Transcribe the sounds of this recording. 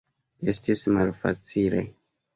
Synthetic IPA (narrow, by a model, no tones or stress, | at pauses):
e̞stismalfa̰t͡silḛ